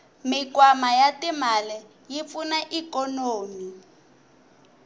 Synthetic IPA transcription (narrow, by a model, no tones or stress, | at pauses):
mikwamajatimalɛ | jip̪funaʔikɔnoːmi